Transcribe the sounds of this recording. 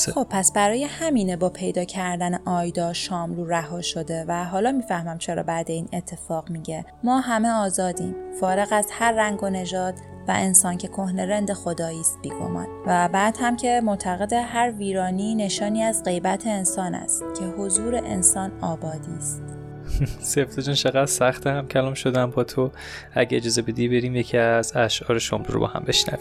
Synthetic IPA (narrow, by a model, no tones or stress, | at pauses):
xob̚pʰːæsbæɾɒːje̞hæmiːnebɒːpʰe̞jd̪ɒːcʰæɾd̪æneʔɒːjd̪ɒːʃɒːmluːɾæɦɒːʃo̞d̪e̞væɦɒːlɒːmiːfæhmæmt͡ʃʰe̞ɾɒ̰ːbæːd̪e̞iːnet̪ʰːe̞fɒːɣmiːɟe | mɒːɦæme̞ɒːzɒːd̪iːmfɒːɾe̞ɣæzhæɾːæŋɡo̞ne̞ʒɒːd̪̥væ̰ʔe̞nsɒːncʰe̞kʰo̞hne̞ɾend̪exo̞d̪ɒːjiːst̪̚b̥iɡo̞̰mɒ̰ːnvæbæːd̪̥hæmcʰe̞mot̪ʰæɣe̞d̪eɦæɾviːɾɒːniːne̞ʃɒːniːæzɢe̞jbæt̪ʰeːnsɒːnæ̰st̪̚cʰe̞ho̞zuːɾeʔḛnsɒːnɒːbɒːd̪iːst̪ | seft̪od͡ʒuːnt͡ʃʰeɣæd̪sæxt̪ʰehæmcʰælɒːmʃod̪æmbɒːt̪ʰo | æ̰ɟeed͡ʒɒːzebed̪iːbeɾiːmjecʰiæzæʃʔɒːɾeʃomɾṵːɾṵbɒ̰ːhæ̰mbe̞ʃnæ̰vi